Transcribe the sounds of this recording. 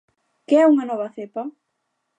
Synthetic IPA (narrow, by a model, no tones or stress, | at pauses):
kɪɛuŋɐnɔβɐθepɐ